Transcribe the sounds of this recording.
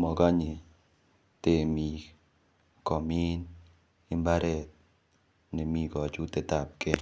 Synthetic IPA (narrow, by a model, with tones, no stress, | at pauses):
mɔ˨ka˦ɲɪ˨ | te˨mi˨ | kɔ˨mi˦n | ɪ˦mba˦ɾɛ˦˨t̚ | ne˨mi˦˨kɔ˨t͡ʃu˦te˨ta˨p̚ke˦